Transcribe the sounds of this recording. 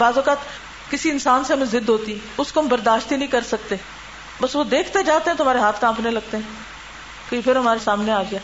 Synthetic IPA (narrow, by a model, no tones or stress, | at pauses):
baːzʋəkat̪ | kɪsiɪnsaːnsemɪ̃zɪd̪ɦoːt̪iʊskombəɾd̪aːʃt̪inəĩkəɾsək̚t̪eː | bəsʋod̪eːkʰt̪ed͡ʒaːt̪ẽɦɛ̃t̪ʊɦəmaːɾeɦaːt̪ʰkãːpʰnẽləɡ̚t̪eɦɛ̃ː | koipʰɪɾɦəmaːɾesaːmneaːɡɪaː